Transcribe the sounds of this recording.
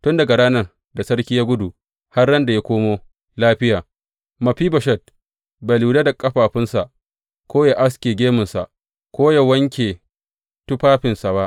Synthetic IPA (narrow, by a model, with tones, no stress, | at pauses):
tʊ˦nda˨ɡa˨ɽaː˦nɐ˦r | da˨sɐ˦ɽkʲi˦ja˦ɡʷʊ˦du˨ | ha˦rːɐ˦nda˨ja˦kʷoː˦moː˦ | laː˦ɸɪ˦jaː˨ | mɐ˨ɸiː˦bɐ˨ʃɛ˦d̚ | ba˨lu˨da˦da˨kʼɐ˦ɸaː˨ɸɪ˦nsa˨ʔ | kʷoː˦ja˨ʔa˦s̬kʲeː˨ɡʲeː˦mʊ˨nsa̰˨ʔ | kʷoː˦ja˨wɐ˦ŋkʲeː˨ | tʊ˦ɸaː˦ɸɪ˨nsa˨ba˦ʔ